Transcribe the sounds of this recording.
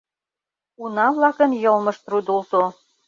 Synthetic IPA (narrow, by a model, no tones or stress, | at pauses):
unɑβlɑkə̆njɤlˠmɤ̆ʃt̪rud̪ulˠt̪o